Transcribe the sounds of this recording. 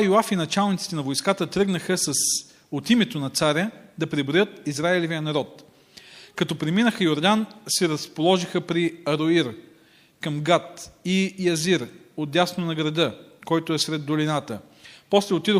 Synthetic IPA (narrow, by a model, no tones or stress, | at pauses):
joafinɐt͡ʃalˠnit̪si̥t̪ɛnɐvojskat̪ət̪ɾɤɡnəxəsəs | ot̪imɛt̪onɐt̪saɾʲəd̪ɐpɾɛbɾojɤt̪izɾaɛlɛvijənɐɾɔt̪ | kɐt̪ɔpɾɛminəxəjoɾd̪ansɛɾɐspolˠɔʒixəpɾiɐɾoiɾ | kəmɡat̪ijɐziɾ | od̪̚d̪ʲjasnonɐɡɾɐd̪ɤkɔjt̪ʊɛsɾɛd̪ːolinat̪ə | pɔslɛot̪id̪o